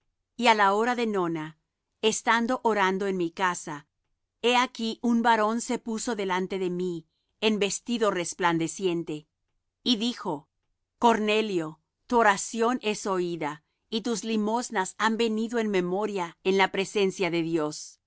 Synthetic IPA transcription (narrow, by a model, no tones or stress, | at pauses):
ialaoɾaðe̞no̞na | est̪and̪o̞ʔoɾand̪oe̞nmikasa | e̞akiʔumbaɾo̞nse̞pusoðe̞lant̪e̞ðe̞mi | embe̞st̪iðo̞re̞spland̪e̞sje̞nt̪e̞ | iðixo̞ | ko̞ɾne̞ljo̞ | t̪uoɾasjo̞nʔe̞so̞iða | it̪uzlimo̞znasambe̞niðo̞e̞nme̞mo̞ɾjaenlapɾe̞se̞nsjaðe̞ðjo̞s